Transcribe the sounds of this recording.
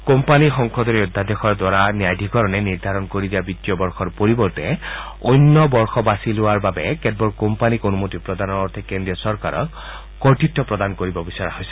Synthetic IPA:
kompanixɔŋkʰɔd̪ɔɹiɔd̪ʱːad̪exɔɹd̪waɹaniajd̪ʱikɔɹɔnɛniɹd̪ʱaɾɔnkoɹid̪iabit̪ːiɔbɔɹxɔɹpoɹibɔɹt̪ɛ | ojnːɔbɔɹxɔbasilʊwaɹbabɛkɛd̚bɔɹkɔmpanikonumot̪ipɹɔd̪anɔɔɹt̪ʰɛkendɹiɔsɔɹka̰ɹɔ̰k | kɔɹtitːɔpɹɔd̪ankoɹibɔbisɔɹa̰hojsɛ̥

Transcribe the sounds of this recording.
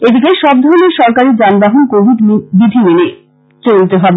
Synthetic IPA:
ed̪ik̬eʃɔb̚d̪ʱɔɾoneʃɔɾkaɾid͡ʑanbaɦonkobʱid̪bid̪ʱimene | t͡ɕolit̪eɦɔbe

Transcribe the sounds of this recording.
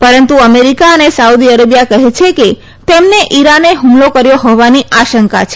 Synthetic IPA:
pəɾənt̪uəmeɾikaənesaud̪iəɾəbjakəɦet͡ʃʰeke | t̪emneʔiɾaneɦumlokəɾjoɦɔʋaniʔaʃəŋka̰t͡ʃʰe

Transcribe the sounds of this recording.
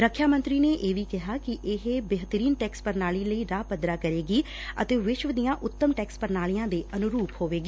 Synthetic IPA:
ɾəkʰːjaːmə̃nt̪ɾiːneːʔeːʋiːkɪɦaːkɪʔɪɦeːbeɦt̪əɾiːnʈɛːkspəɾnaːliːləiːɾaːpəd̪ɾaːkəɾeːɡiː | ə̰t̪eːʋɪʃʋd̪ijãːʔʊt̪ːəmʈɛːkspəɾnaːlijãːd̪eːʔənʊɾuːphoːʋeːɡiː

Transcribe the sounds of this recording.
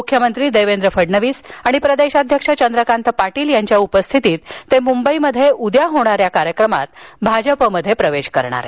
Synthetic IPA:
mukʰjəmənt̪ɾiːd̪eʋend̪ɾəfəɖɳəʋiːsaɽ̃ipɾəd̪eɕad̪ʱjəkʂat͡ɕənd̪ɾəkãnt̪ʰəpaʈiːljaɲt͡ɕjaupəst̪ʰit̪iːt̪ːemumbəiməd̪ʱjeʔud̪jaɦoɽ̃aɾjakaɾjəkɾəma̰t̪bʱad͡ʑəpəməd̪ʱːjepɾəʋeɕkəɾɳ̃a̰ɾḛ

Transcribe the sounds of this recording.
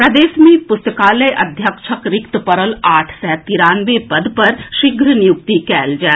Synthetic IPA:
pɾɐd̪eːʃmẽpʊst̪əkaːləjʔɐd̪ʱjəkʃʰəkɾɪkt̪əpəɾəlaːʈʰsɛːt̪iɾaːnʋepɐd̪pɐɾʃɪɡʱɾənijʊkt̪ikɛːld͡ʒɛː

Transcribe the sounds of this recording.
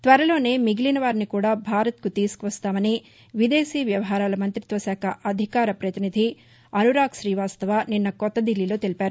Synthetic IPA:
t̪ʋɐɾɐlo̞ːne̞ːmiɡilinɐʋaːɾnikuːɽaːbʱaːɾɐt̪̚kut̪iːsu̥kuʋɐst̪aːmɐni | ʋid̪e̞ːsiːʋjɐʋɐɦaːɾaːlɐmɐnt̪ɾit̪ʋɐsaːkʰɐʔɐd̪ʱikaːɾɐpɾɐt̪inid̪ʱi | ɐnuɾaːkʃɾiːʋaːst̪ɐʋaːninːɐkɔt̪ːɐd̪ilːilo̞ːt̪elipaːɾu

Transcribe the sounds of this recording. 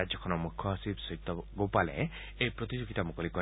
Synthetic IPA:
ad͡ʒɔkʰɔnɔmukʰjɔɦɔsibsɔɦit̪ːɔɡowpalḛ | ejpɾɔt̪id͡ʒoɡit̪amukɔlikɔ

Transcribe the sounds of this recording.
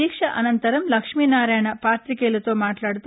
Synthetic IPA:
iːkʂɐʔɐnɐnt̪ɐɾɐmlɐkʂmiːnaːɾaːjɐɳɐpaːt̪ɾikelut̪oːmaːʈlaːɽt̪

